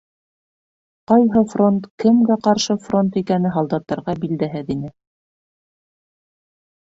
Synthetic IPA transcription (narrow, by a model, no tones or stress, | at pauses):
qɑjɦɤfront̪kɘ̆mɡæqɑɾʃɤfront̪ikænɘɦɑlˠd̪ɑt̪ːɑɾʁɑbild̪æɦɘðinɘ